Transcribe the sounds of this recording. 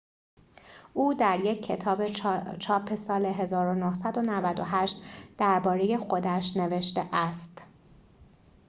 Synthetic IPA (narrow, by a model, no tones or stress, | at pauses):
ʔuːd̪æɾje̞cʰːe̞t̪ʰɒːbet͡ʃʰɒːpʰe̞sɒːle̞ɦe̞zɒːɾonohsæd̪o̞nævæd̪oɦæʃt̪d̪̥æɾbɒːɾe̞je̞xo̞d̪æʃne̞ve̞ʃt̪eʔæst̪